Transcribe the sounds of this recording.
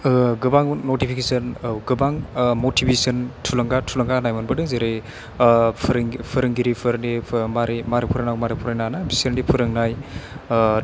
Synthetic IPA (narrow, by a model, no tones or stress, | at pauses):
ɡɯbaŋnotipʰikesɯnɡɯbaŋmotʰibesɯntʰulɯŋɡatʰulɐŋɡanajmɔnbɯdɯŋzeɾe | pʰɾŋpʰɯɾɯŋɡiɾipʰɯɾndemaɾemaɾipʰuɾajnaɡmaɾipʰuɾajnanabisəɾndipʰuɾɯŋnaj